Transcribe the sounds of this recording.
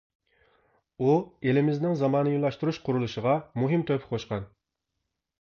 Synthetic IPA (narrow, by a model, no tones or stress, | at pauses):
uelɪmɪznɪŋzɑmɑːnɨjulˠɑʃt̪uɾuʃqʰʊɾulˠuʃəʁɑmuɦɪmt̪ʰøpʰɪ̥qʰoʃqɑn